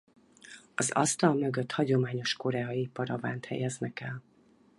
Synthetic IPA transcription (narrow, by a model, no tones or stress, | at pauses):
ɒzɒ̰st̪ɒlmøɡøt̪hɒɟo̞maːɲo̞ʃko̞ɾɛɒiipɒɾɒvaːnt̪hɛ̰jɛznɛkɛl